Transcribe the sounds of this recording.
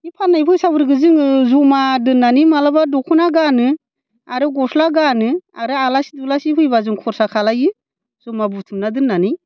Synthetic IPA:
ipʰanːajpʰɯjsabɯɾɡɯzɯŋzumadɯnːanimalabadɔkʰunaɡanɯ | aɾɯɡɔslaɡanɯaɾɯalasi̥dulasipʰɯjbazɯŋkʰɔɾsakʰalajɯ | zɔmabutʰɯmnadɯnːanɯj

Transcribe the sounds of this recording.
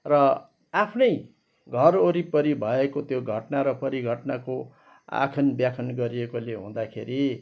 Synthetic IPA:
rʌ | apʰnʌj | ɡʱʌroɾipʌɾibʱʌekot̪joɡʱʌʈnaɾʌpʌɾiɡʱʌʈnako | a̰kʰʌnbjakʰʌnɡʌɾiekoleɦũd̪akʰḛɾi

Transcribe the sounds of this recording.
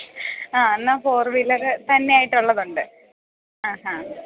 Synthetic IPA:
aːenːaːfoːrʋilːɐrɨt̪ɐnːejaːjiʈːuɭːɐðuɳɖɨ | aːɦa

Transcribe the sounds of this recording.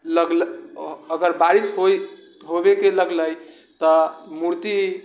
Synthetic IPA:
ləɡl | əɡəɾbaɾisɦo | ɦobekeləɡləj | t̪ɔmuɾt̪i

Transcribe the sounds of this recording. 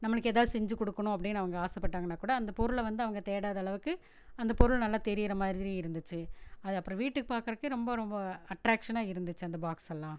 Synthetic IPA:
nɐmːɐɭɯkːeːðaːðɯsɛɲd͡ʒɯkɔɽɯkːɐɳʊ̃ɐp̬ːɐɽɪnːɐʋɐŋɡɐaːsɛpːɐʈːaːŋɡɐnːaːkuːɽɐːnd̪ɐpɔɾɯɭʋɐnd̪ɯɐʋɐŋɡɐt̪eːɽaːðɐɭɐʋɯkːɯ | ɐnd̪ɐpɔɾɯɭnɐlːaːt̪ɛɾɪjɪɾɐmaːðɪɾiɪɾɯnd̪ɯt͡ʃːɯɐðɯɐpːɯɾõʋiːʈːɯkːɯpaːɾkɾɐɯkːɯɾɔmbɐɾɔmbɐɐʈɾaːkʂɐnaːɪɾɯnd̪ɯt͡ʃːɯɐnd̪ɐbaːksɛlːãː

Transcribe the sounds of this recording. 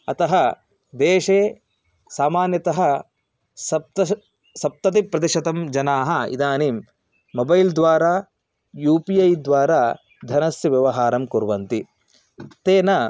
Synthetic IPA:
ɐt̪ɐɦɐ | d̪eːʂeː | saːmaːnjɐt̪ɐɦɐ̆ | sɐt̪ɐ | sɐp̚t̪ɐt̪ipɾɐd̪iʃɐt̪ɐmd͡ʒɐnaːɦɐḭd̪aːniːmː | obɐjld̪ʋaːɾaː | juːpiɐjd̪ʋaːɾaː | d̪ʱɐnɐsjɐʋjɐʋɐɦaːɾɐmkuɾʋɐnt̪i | t̪eːnɐ

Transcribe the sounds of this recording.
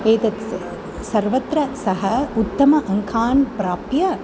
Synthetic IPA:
eːt̪ɐt̪ | sɐɾʋɐt̪ɾɐsɐɦɐʊt̪ːɐmɐʔɐŋkʰaːnpɾaːpjɐ

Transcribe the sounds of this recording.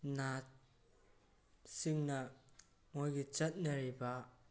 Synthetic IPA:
na | siŋnɐ | mojɡit͡ʃɐt̚nɐɾiba

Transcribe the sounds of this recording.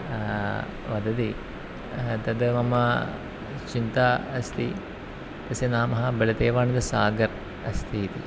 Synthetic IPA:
ʋɐd̪ɐd̪i | t̪ɐd̪ɐmɐmɐ | t͡ʃint̪aːɐst̪i | t̪ɐsenaːmɐɦɐbɐlɐt̪eːʋaːnɐd̪ɐsaːɡɐɾ | ɐ̰st̪ʰit̪i

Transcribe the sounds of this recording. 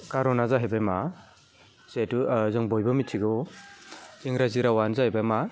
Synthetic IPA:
kaɾɔnazaɦebajma | setuzɯŋbɔjbɔmitʰiɡɔ | iŋɾaziɾawanzahebajma

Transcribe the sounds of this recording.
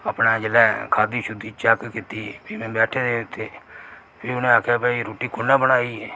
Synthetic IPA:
əpnaːd͡ʒəlɛːkʰaːd̪iːʃʊd̪ːiːt͡ʃɛkkit̪iːpʰiːmɛ̃ːbɛːʈʰeːd̪eːʊt̪ːeː | pʰeːʊnẽːaːkʰjaːbəiːɾoːʈiːkʊnːãːbənaːiːɛː

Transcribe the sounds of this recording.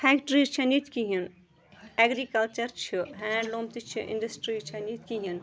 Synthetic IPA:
fʰɛːkʈɾit͡ʃʰɐnit̪kiɦin | eːɡɾikɐlt͡ʃɐɾt͡ʃʰiɦɛ̃ːɳɖlõːmt̪it͡ʃʰiʔḭ̃ɳɖɐsʈɾit͡ʃʰɐnit̪̚kiɦin

